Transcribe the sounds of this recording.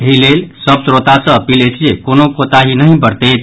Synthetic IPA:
eɦilelsəbsɾot̪asə̃əpiləɪt͡ʃʰd͡ʒekonokot̪aɦinəɦĩbəɾt̪et̪

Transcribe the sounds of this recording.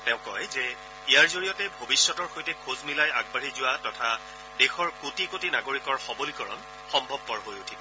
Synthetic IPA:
tɛʊ̃kɔjzɛ | ijaɹzoɹijɔtɛbʱobisːɔtɔɹxojtɛkʰozmilajaɡ̚baɹizʊwatɔtʰa | dexɔɹkotikotinaɡoɹikɔɹxɔbolikɔɹɔ̰n | xɔmbʱɔb̚pɔɹɦojutʰibɔ

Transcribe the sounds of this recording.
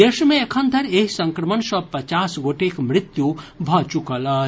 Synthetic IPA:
esmeekʰənd̪ʱəɾeɦisə̃ŋkɾəmənsə̃pət͡ʃasɡoʈekmɾit̪jubʱɔt͡ʃukələ

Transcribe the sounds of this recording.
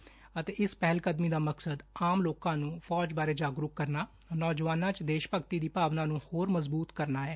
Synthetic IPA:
ət̪eːɪspɛɦlkəd̪miːd̪aːməksəd̪aːmloːkãːnũːpʰɔːd͡ʒbaːɾeːd͡ʒaːɡɾʊkːəɾnaː | nɔːd͡ʒʋaːnãːt͡ʃd̪eːʃpəkt̪iːd̪iːpaːʋnãːnũːhoːɾməzbuːt̪kəɾnaːɦɛː

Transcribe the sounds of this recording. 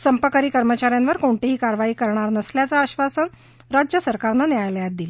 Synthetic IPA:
səmpəkəɾiːkəɾmət͡ɕaɾjanʋəɾkoɳʈ̪eɦiːkaɾʋaɦiːkəɾɳ̃aɾnəsljat͡saːɕʋasən | ɾad͡ʑjəsəɾkaɾnanajljat̪̚d̪il

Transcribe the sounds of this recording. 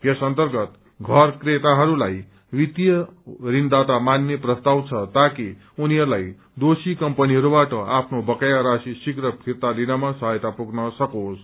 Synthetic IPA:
jesʌnt̪ʌrɡʌt̪ | ɡʱʌrkret̪aɦʌɾulaj | wit̪jʌrind̪at̪amanːeprʌst̪awt͡sʰʌt̪aki | uniɦʌɾulaj | d̪osikʌmpʌniɦʌɾubaʈʌapʰnobʌkajaɾasisiɡrʌpʰirt̪alinamasʌɦajt̪apuɡnʌsʌkos

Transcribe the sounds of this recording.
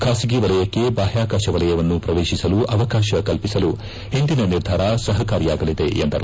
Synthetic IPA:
kʰaːsiɡeʋɐlɐjɐkːe̞baːɦjaːkaːʃɐʋɐlɐjɐʋɐnːupɾɐʋeːʃisɐluʔɐʋɐkaːʃɐkɐlpisɐlu | he̞nd̪inɐniɾd̪ʱaːɾɐsɐɦɐkaːɾjaːɡɐlid̪e̞end̪ɐɾu

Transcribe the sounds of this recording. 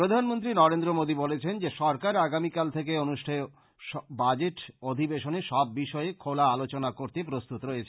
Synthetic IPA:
pɾod̪ʱanmont̪ɾinɔɾend̪ɾomod̪ibɔlet͡ɕʰend͡ʑeʃɔɾkaɾaɡamikalt̪ʰek̬eonuʃʈʰae | ʃɔbad͡ʑeʈod̪ʱibeʃoneʃɔb̚ːiʃɔekʰolaalot͡ɕonakoɾt̪epɾost̪ut̪oɾojet͡ɕʰe

